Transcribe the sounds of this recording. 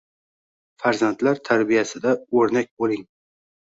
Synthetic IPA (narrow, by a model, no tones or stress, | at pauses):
faɾzant̪laɾt̪ʰaɾbijasɪd̪aɵɾnak̚ʲbolɪŋ